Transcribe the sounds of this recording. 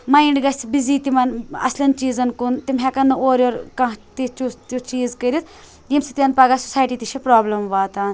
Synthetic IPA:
maːiɳɖɡɐsbiziːt̪imɐnɐ̰slʲɐnt͡ʃiːzɐnkunt̪imɦɛkɐnːɨoːɾoːɾkɐt̪it͡ʃut͡ʃ̪ut͡ʃiːzkɐɾit̪ʰ | jimsit̪iɐnpaːɡasu̥saːjʈiːt̪iʃʰɐpɾaːblɐmʋaːt̪aːn

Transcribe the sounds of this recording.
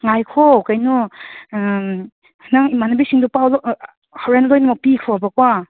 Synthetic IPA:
ŋajkʰɔkajnu | hnaŋimanabisiŋdupawlɔ | hɔwɾenlɔjnumapikʰɔabakwa

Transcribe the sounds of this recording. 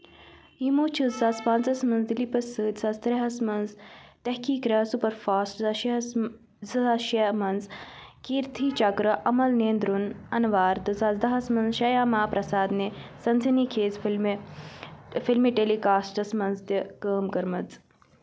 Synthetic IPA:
imoːt͡ʃʰɨzzɐspant͡sɐsmɐnzd̪ilipɐsɨːt̪ʲzɐst̪ɾɐɦɐsmɐnzt̪ɐhkiːkɾɐɦsupɐɾfaːsʈzɐʃ | zɐʃɐmɐnzkiːɾt̪ʰiːt͡ʃɐkɾɨʔɐmɐlneːnd̪ɾunɐnʋaːɾt̪ɨzɐzd̪ɐɦɐsmɐnzʃɐjaːmaːpɾʔɐsaːd̪nesɐnzɐniːkʰeːzflm | filmiʈelikaːsʈɐsmɐnzt̪ikəːmkɐɾmɐt͡s

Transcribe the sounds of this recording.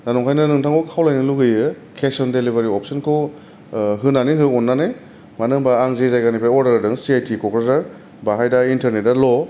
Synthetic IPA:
nanɔŋkʰajnanɯŋtʰaŋkʰɔkʰawlajnɯluɡɯjɯ | kʰesɔndelibaɾiɔp̚sɯnkʰɔ | ɦɯnaniɦɯɔnːanɯj | manɯŋbaːŋzezajɡanipʰɾaɔɾdaɾdɯŋsiajtʰikɔkɾetaɾ | baɦajdaintɐɾnet̚dalɔ

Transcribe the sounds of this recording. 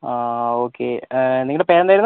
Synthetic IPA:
aoːkʰːḛnːiŋɡɐɭepeːɾɐnaːjɾunː

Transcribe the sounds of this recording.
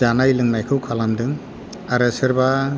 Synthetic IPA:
anajlɯŋnajkʰɯwkʰalamdɯŋ | aɾesɯɾba

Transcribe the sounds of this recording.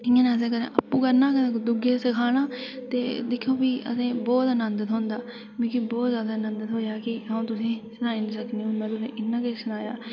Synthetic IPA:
ɪːãːnẽəs̬ẽːkəɾḛ̃ːʔəpːũːkəɾnãːkəẽkːd̪ʊɡeːsəkʰaːɽ̃ãːt̪eːd̪ɪkʰːõːbiːʔə̰sẽːbɔːt̪nənd̪ət̪ɦõːnd̪aː | kõːkibɔːt̪zjaːd̪aːnənd̪ət̪ɦoːjaːkɪɦaũːt̪ʊsĩːsnaːiːniːsəkneːʊnːãːt̪ʊsḛ̃ːʔɪnːãːkesənaːja̰ː

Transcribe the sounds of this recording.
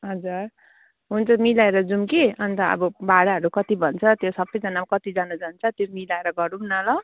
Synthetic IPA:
ɦʌd͡zur | ɦunt͡sʰʌmilaeɾʌd͡zumkeʌnt̪ʌʌ̰bʌbaɽaɦʌɾukʌt̪ibʱʌnt͡sʰʌt̪josʌbʌjd͡zʌnamkʌt̪id͡zanad͡zʌnt͡sʰʌt̪jomilaeɾʌɡʌɾumnalʌ

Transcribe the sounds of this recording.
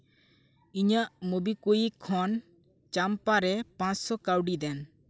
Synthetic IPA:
iɲaʔmubikujikʰɔn | t͡ʃampaɾɛpãt͡ʃsɔkawɖid̪ɛn

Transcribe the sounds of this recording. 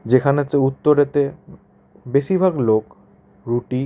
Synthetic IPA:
d͡ʑekʰanet̪eut̪ːoɾet̪e | beʃibʱaɡlok | ɾuʈi

